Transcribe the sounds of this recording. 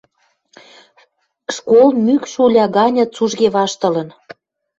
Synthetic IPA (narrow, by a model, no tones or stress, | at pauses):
ʃkolmykʃulʲɑɣɑnʲɤ̆t͡suʒɣeβɑʃt̪ə̆lə̆n